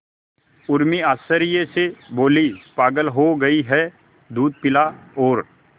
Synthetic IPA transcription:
ʊɾmiaːsəɾjeseboːlispaːɡəlɦoɡɐiɦɛ | d̪uːd̪̚pɪlaɔːɾ

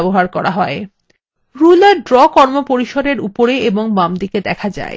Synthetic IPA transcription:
boɦaɾkɔɾaɦɔe | ɾulaɖɾɔkɔɾmopoɾiʃod̪eɾupoɾeeboŋmamd̪iked̪ɛkʰad͡ʑa̰e

